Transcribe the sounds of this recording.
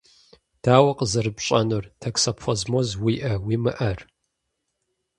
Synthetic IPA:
d̥aːwɐqʼəzɐrɨbɕʼɐnɨrtʰɐksɐpʰfʷɔzmozwiːʔɐwiːmɨʔɐr

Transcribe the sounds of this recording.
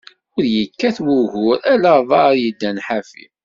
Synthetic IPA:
ʊɾjəkːæθwʊɣʊɾælævˤɑɾjəd̪ːænħafḭ

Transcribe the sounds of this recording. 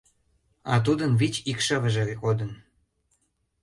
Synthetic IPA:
ɑ̰t̪̬ud̪ənβit͡ɕikʃəβə̆ʒeɣod̪ən

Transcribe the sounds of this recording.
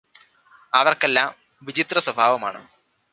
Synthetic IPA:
ɐʋɐrkelːaːm | ʋid͡ʑit̪rɐswɐbʱaːʋɐma̰ːɳɨ̰

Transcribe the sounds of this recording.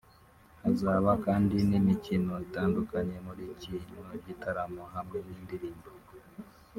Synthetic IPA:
azaːβakaːndinimicino̞itaːndukaɲe̞muɾicinoɟitʰaɾamoɦamŋeniːndiɾiːmbo

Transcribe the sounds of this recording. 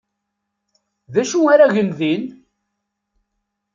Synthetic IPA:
ðæʃuaɾaʝənðin

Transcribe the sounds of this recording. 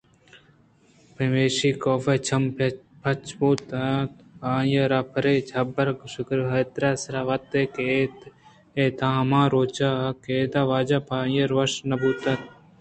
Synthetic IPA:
pemeːʃiːkoːfet͡ʃʰɐmp | pʰɐt͡ʃbuːt̪at̪aːjɐɾaːpʰɐɾeːd͡ʒʰʱɐbɐɾkʃʊkɾɦɐt̪ɾaːsɾaːʋɐt̪eːkeːt̪ | eːt̪ʰãːmãːɾoːt͡ʃaːkeːd̪aːʋaːd͡ʒapʰaːjɐɾʋɐʃnɐbuːt̪ɐt̪̚

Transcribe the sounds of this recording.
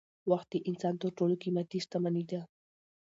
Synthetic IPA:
wɑχt̪iʔɪnsant̪oʈ͡ʂolokimat̪ist̪amanid̪a

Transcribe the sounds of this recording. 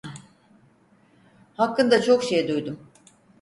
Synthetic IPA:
hakːɯnd̪at͡ʃʰo̞kʃejd̪ujd̪um

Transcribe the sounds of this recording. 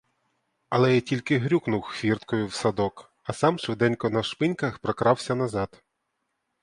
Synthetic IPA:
ɐlˠɛjtʲilʲkɪɦɾʲuknʊwxʋʲirt̪kɔjʊwsɐd̪ɔk | ɐsɑmt͡ʃɔd̪ɛnʲkɔnɐʃpɪnʲkɐxpɾɔkɾɑwsʲɐnɐzɑd̪

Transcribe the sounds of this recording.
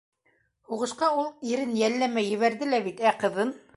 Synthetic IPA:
huʁɤ̆ʃqɑulˠiɾɘnjælːæmæjɵ̆βæɾðɘlæβit̪æqɤ̆ðɤn

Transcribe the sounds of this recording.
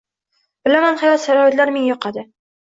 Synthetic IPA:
b̥ɪlamanhajɒt̪saɾɒat̪laɾmenjɒqʰɑd̪ɪ

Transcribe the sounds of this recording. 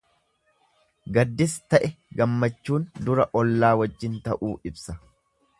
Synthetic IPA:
ɡɐd̪ːɪst̪ɐʔɛɡɐmːɐt͡ʃːuːnd̪ʊɾɐʔɔlːaːwɐd͡ʒːɪnt̪ɐʔuːɪbsɐ

